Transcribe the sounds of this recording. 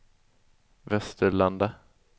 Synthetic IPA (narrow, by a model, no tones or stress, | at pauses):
vɛst̪əɭand̪a